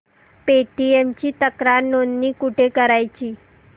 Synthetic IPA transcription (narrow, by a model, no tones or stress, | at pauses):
peʈiemt͡ɕiːt̪əkɾaɾnonniːkuʈʰekəɾajt͡ɕiː